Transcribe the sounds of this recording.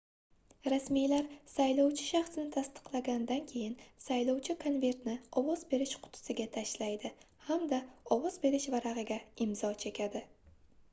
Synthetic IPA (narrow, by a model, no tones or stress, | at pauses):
ɾasmijlaɾsajlɒwt͡ʃʰɪ̥ʃɑχsɪnɪt̪ʰast̪ɨ̥qlˠaɡʲand̪ankʲʰe̞jɪnsajlɒwt͡ʃʰɪkʰonve̞ɾt̪nɪɒwɒzbe̞ɾɪʃqʰʊ̥t̪ʰʊ̥sɪɡʲat̪ʰaʃlajd̪ɪ | hamd̪aɒwɒzbe̞ɾɪʃvaɾaʁɨɡʲaɪmzɒt͡ʃʰe̞kʲʰad̪ɪ